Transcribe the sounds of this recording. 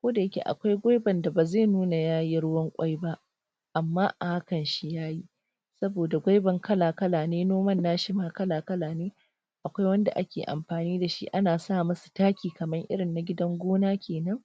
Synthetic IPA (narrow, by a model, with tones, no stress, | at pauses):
kʷoː˦da˨jɐ˦kʲḛ˨ʔa̰˨kʷa˦jɡʷa˦jbɐ˨nda˨baː˨zeː˦˨nuː˦na˨jaː˦ji˦ɽʊ˦wɐ˦ŋkʷʼa˦jba˦ʔ | ʔa˨mːaː˦ʔa˨ha˦kɐ˨nʃi˦jaː˦ji˦ | sɐ˦boː˨da˨ɡʷa˦jbɐ˨ŋkɐ˦laː˨kɐ˦laː˨neː˦noː˦mɐ˦nːaː˦ʃɪ˦maː˦kɐ˦laː˨kɐ˦laː˨neː˦ | ʔa˨kʷa˦jwɐ˦nda̰˨ʔa˦kʲeː˨ʔa̰˨mɸaː˨niː˦da˨ʃḭ˦ʔa˦naː˨saː˦˨mɐ˦su̥˨taː˦kʲiː˨kɐ˨mɐ˦ŋʔɪ̰˦ɽɪ˨nːa˨ɡʲɪ˦dɐ˦ŋɡʷoː˦naː˦kʲʰeː˨nɐ˦ŋ